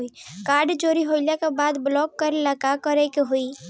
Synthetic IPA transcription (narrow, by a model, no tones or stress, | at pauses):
ikaːɾɖd͡ʒoːɾiɦoɪljakebaːd̪blɔːkːəɾelakakəɾɛkeɦui